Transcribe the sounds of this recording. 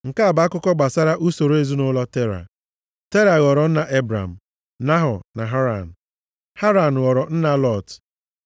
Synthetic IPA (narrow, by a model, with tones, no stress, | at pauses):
ŋ̩˨ka˦a˨ba˨a˦kʊ˦kɔ˦ɡ͡ba˨sa˦ɾa˦ʔu˦so˨ɾe˦zu˦nʊ˦lɔ˦te˦ɾa̰˨ | te˦ɾa˨ɣɔ˨ɾɔ˨n̩˦na˨ʔe˦bɾa̰˨m̩˨ | na˦ɦɔ˨na˨ɦa˦ɾa̰˨n̩˨ | ha˦ɾa˨n̩˨ɣɔ˨ɾɔ˨n̩˦na˨lɔ˦˨t